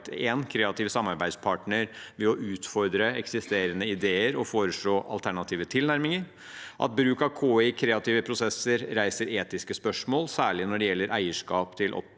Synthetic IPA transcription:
t̪ʰeːnkʰɾeːɑt̪iːʋsɑmːɑɾbæɪspʰɑʈnəɾʋɛɔʔʉːt̪fɔɾd̪ɾəɛksɪst̪eːɾənəɪd̪eːəɾɔfoːɾəʂɭoːʔɑ̰lt̪ʰæɳɑt̪ʰiːʋət̪ʰɪlnæɾmɪŋəɾ | ʔɑ̰t̪̚bɾʉːkɑʋkʰoːɪkʰɾeːɑt̪ʰiːʋəpʰɾʊsɛsəɾɾæɪsəɾeːt̪ɪskəspœʂmoːlsæːɭɪnɔɖɛjɛlːəɾʔæ̰ɪəʂkɑːpt̪ʰɪlʔɔ̰

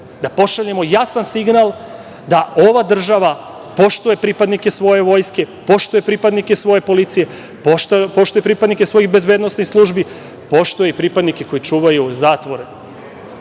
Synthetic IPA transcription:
d̪apo̞ʃaʎe̞mo̞jasansiɡnalˠ | d̪ao̞ʋad̪r̩ʒaʋa | po̞ʃt̪uje̞pɾipad̪nike̞sʋo̞je̞ʋo̞jske̞po̞ʃt̪uje̞pɾipad̪nikesʋo̞je̞po̞lit̪sije̞ | popo̞ʃt̪ujepɾipad̪nikesʋo̞jixbe̞zbed̪nosnixslˠuʒbi | po̞ʃt̪ujeipɾipad̪nike̞ko̞it͡ʃuːʋajuzaːt̪ʋo̞ɾe

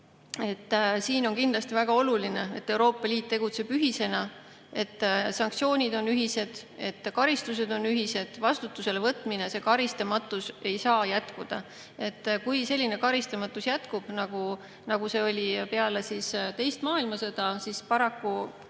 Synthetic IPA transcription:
e̞t̪ːsiːno̞nkind̪lɑst̪ivæɡ̥ɑo̞luline̞et̪ːe̞wɾo̞ːpːˑɑlʲiːt̪̚ːe̞ɡ̥ut̪se̞b̥yɦise̞nɑ | e̞t̪ːsɑŋk̚t̪sio̞ːnʲid̪o̞nyɦise̞d̪̥e̞t̪ːkɑɾist̪us̬e̞d̪̥o̞nyɦise̞d̪̥vɑst̪ut̪ːˑuse̞levɤt̪ːˑmine̞se̞kɑɾist̪ɑmɑt̪ːˑuse̞jsɑːjæt̪kud̪̥ɑ | e̞t̪ːkujse̞lʲːine̞kɑɾist̪ɑmɑt̪ːˑusjæt̪kub̥nɑɡ̥u | nɑɡ̥use̞ːo̞lʲipe̞ɑle̞sist̪e̞jst̪mɑːilmɑsɤd̪̥ɑsispɑɾɑkːu

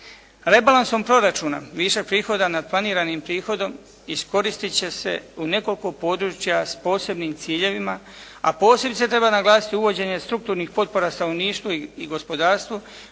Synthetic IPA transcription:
ɾe̞balanso̞mpɾo̞ɾat͡ʃuːna̰ʋiːʃepɾiːxo̞d̪anad̪̚plˠaniːɾanimpɾiːxo̞d̪o̞m | isko̞ɾist̪it͡ɕe̞se̞̰une̞ko̞liko̞po̞ːd̪ɾuːt͡ʃjaspo̞ːse̞bnimt̪siːʎe̞ʋima | a̰po̞ːse̞bit̪set̪ɾe̞banaɡlˠaːsi̥t̪iuʋo̞d͡ʑe̞ɲe̞st̪ɾukt̪uːɾnixpo̞t̪̚po̞ɾast̪anoniːʃt̪ʋoiiɡo̞spo̞d̪aːɾst̪ʋu

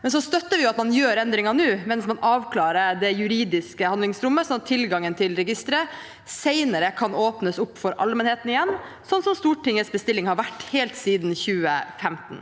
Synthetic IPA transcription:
mɛns̬ɔst̪œt̪ːəʋɪjʊɑt̪mɑnjøːɾɛnd̪ɾɪŋɑnʉːmɛnsmɑnʔɑːʋkʰlɑːɾəd̪ɛjʉɾiːd̪ɪskəhɑnd̪lɪŋsɾʊmːəsɔmt̪ʰɪlɡɑŋːənt̪ʰɪlɾɛɡɪst̪ɾə | seɪnəɾəkʰɑnoːpnəsʊpːfɔɾʔɑ̰lmɛnheːt̪ənɪjɛnː | sɔnːsɔmst̪uːʈɪŋːəsbəst̪ɪlːɪŋhɑɾʋæʈːhɛːlt̪siːd̪n̩çʉːə̰fɛmt̪n̩

